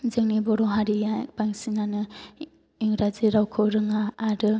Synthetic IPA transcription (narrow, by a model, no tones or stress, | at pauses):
zɯŋnibɔɾɔɦaɾijapaŋsinanɯ | iŋɾaziɾawkʰɯwɾɯŋaːɾɯ